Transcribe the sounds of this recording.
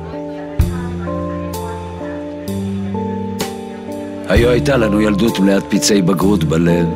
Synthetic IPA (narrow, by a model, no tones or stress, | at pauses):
hajoajt̪alanujald̪ut̪mleat̪̚pit͡sejbaɡʁut̪balev